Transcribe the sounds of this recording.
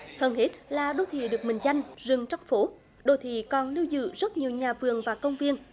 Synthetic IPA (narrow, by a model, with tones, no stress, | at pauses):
həː˧nhe˦˥t̚laː˨˩ɗo˧˩t̪ʰḭ˧˨ɗɨ˨˩ək̚mï˨˩ŋ̟za˧jŋ̟zɨ˨˩ŋt͡ɕɔ˧wŋ͡mfo˨˦ | ɗo˧˩t̪ʰḭ˧˨kɔ˨˩nli˧wzɨ̰˧˨zə˦˥t̚ɲi˨˩əwɲaː˨˩vɨ˨˩əŋvaː˨˩kə˧wŋ͡mvi˧ən